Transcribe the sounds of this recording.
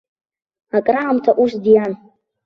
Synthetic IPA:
akʼraʕamtʰaʔuʂdjan

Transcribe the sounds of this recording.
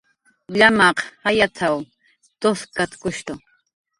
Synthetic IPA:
ʎamɑqhajat͡sʰaw | t̪oskat̪kʊʃt̪ʊ

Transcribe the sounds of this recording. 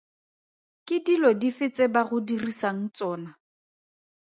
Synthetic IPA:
kɪdilɔdifɪt͡sʼebaɣʊdirisaŋ̩t͡sɔːna

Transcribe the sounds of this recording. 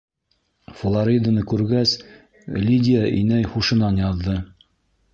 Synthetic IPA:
flˠaɾʲid̪anɤkʉɾɡæs | lʲidʲɪjaʔinæjχuʃɤ̆nɑnjɑðːɤ

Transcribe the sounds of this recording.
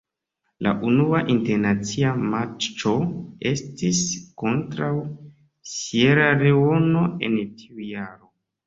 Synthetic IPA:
la̰ʔunuaʔinte̞ɾnat͡siamat͡ʃt͡ʃo̞e̞stisko̞ntɾaw | sieɾaɾeo̞no̞e̞̰ntʰiujaɾo̞

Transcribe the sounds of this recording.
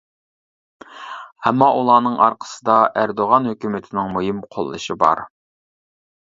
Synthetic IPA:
ɛmːɑʔulˠɑːnɨŋʔɑ̰ɾqʰə̥sɨd̪ɑʔæɾd̪oʁɑnhøkʲymɪt̪ʰɪnɪŋmujimqʰo̰lˠːɨ̰ʃibɑ̰ɾ

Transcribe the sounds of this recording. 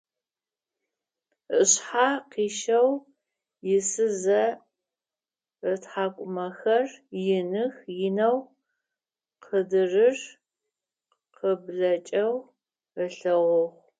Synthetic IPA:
əɕħaqiːʃɐw | jɪsɨzɐ | ətħaːkʷʼʊmɐxɐrjɪnɨxjɪnɐw | qʰədɨrɨr | qʰəbɮɐt͡ʃʼɐw | əɬɐʁʷʊʁʷ

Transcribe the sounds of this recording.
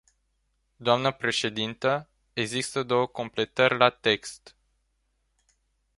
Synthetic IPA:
d̪oamnəpɾe̞ʃe̞d̪int̪ə | e̞ɡzist̪əd̪o̞wəko̞mple̞t̪ərʲlat̪e̞kst̪

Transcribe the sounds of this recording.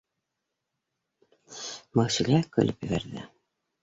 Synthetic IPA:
mɤ̆sɵ̆lʲækɵ̰̆lɘpjɘ̆βæɾðɘ̰

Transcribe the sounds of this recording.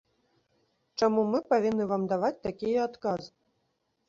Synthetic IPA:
t͡ʂamumɨpavʲinːɨvamd̪avat͡s̚ʲt̪akʲijɛat̪kaz

